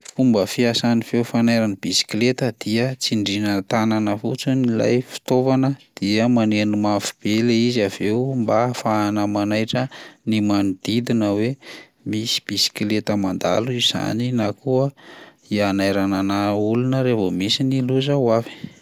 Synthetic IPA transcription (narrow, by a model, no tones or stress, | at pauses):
fumbəfiasanifeufanajɾanib̥isi̥kilet̪əd̪̥iət͡siɳɖ͡ʐinət̪ananəfṵt͡sunila̰jfi̥t̪ovanəd̪̥iəmanenimafi̥b̥eleiziaveumbafaːnamanajʈ͡ʂənimanud̪̥id̪inəwe | misi̥b̥isi̥klet̪əmand̪a̰luiz̥a̰ninakuə | ianajɾananaulunəɾevomisiniluzawavi̥